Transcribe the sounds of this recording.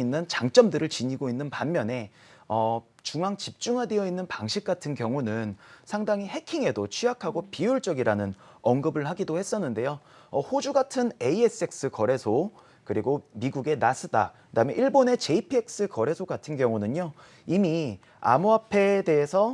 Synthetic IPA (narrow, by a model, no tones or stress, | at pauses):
inːɯnt͡ɕaŋt͡ɕ͈ʌmdɯɾɯɭt͡ɕiɲiɡoinːɯnpamːjʌne̞ | ʌ | t͡ɕuŋaŋt͡ɕip̚t͡ɕ͈uŋɦadejʌinːɯnpaŋɕʰik̚k͈atʰɯnkjʌŋunɯnsʰaŋdaŋiɦe̞kʰiŋe̞dot͡ɕʰiakʰaɡopijuɭt͡ɕ͈ʌɡiɾanɯn | ʌŋɡɯbɯɭhaɡidohe̞s͈ʌnːɯnde̞jo | ʌhod͡ʑuɡatʰɯne̞ie̞s͈ɯek̚s͈ɯkʌɾe̞sʰo | kɯɾiɡomiɡuɡe̞nas͈ʰɯda̰kɯdaɯmjeʔiɭbone̞t͡ɕe̞ipʰie̞k̚s͈ɯkʌɾe̞sʰoɡatʰɯnkjʌŋunɯɲo | imi | a̰muapʰe̞de̞esʰʌ